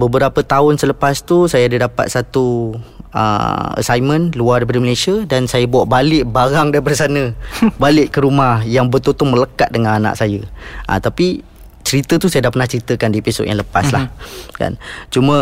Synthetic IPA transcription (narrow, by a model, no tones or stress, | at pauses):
bəbəɾapət̪aʊnsələpast̪usajaadədapa̰t̪̚sat̪u | ə̰ə̰sajmə̃nluardapadiməlasiədansajəbuaʔbalɪʔbaɾaŋdaibərsanə̃balɪʔkəɾumahjaŋbət̪ot̪umələkat̪̚dəŋanana̰ʔsajəʔə̰t̪api | t͡ʃəɾit̪ət̪usajadaʔpərnaht͡ʃəɾit̪əkandipiso̰ʔ̪jaŋləpaslahka̰nt͡ʃumə̃